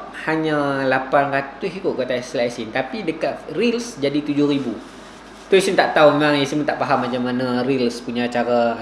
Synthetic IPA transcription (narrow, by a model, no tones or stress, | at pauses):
haɲãlapanɾat̪ʊsikʊt̪ʔ̚kat̪aslaɛsint̪apidəkat̪̚rilsd͡ʒadit̪ud͡ʒʊhɾibu | t̪uisint̪aʔt̪aumemãŋasimut̪aʔpaɦamːat͡ʃamanãɾilspuɲãːt͡ʃaɾa